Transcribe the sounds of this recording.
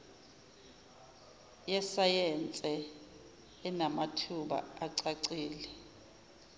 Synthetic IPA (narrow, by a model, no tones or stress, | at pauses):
jɛsajɛnt͡sʼɛː | namatʰuɓa̰aǀaǀiːlɛ